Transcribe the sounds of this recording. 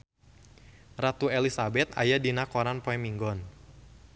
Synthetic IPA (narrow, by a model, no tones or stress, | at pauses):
rat̪uelisabɛt̪̚a̰jadinakɔɾanpɔɛmiŋɡɔn